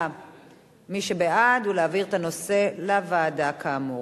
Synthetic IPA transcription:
miʃebeadhuleaviʁet̪ano̞se̞lavaːdakʰaːmu

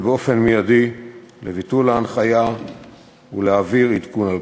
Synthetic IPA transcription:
beo̞fe̞nmijadilevitulaːnχaja | uleaviʁitkunal

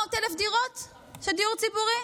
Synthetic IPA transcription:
ot̪elefd̪iʁot̪ | ʃed̪iuʁt͡sibuʁi

